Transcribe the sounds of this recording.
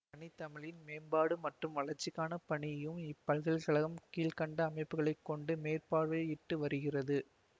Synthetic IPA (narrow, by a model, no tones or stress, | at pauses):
pɐɳɪt̪ːɐmɪɭɪnmeːmbaːɽɯmɐʈrɯmʋɐɭɐɾt͡ʃːɪkːaːnɐpɐɳɪjɐjɯmɪpːɐlɣɐɭkɐɭɐɣɐmkiːlkɐɳɖɐːmɐɪpːɯɣɐɭɐɪkːɔɳɖɯmeːrpaːɽʋeːɪʈːɯʋɐɾɯɣɪrɐðɯ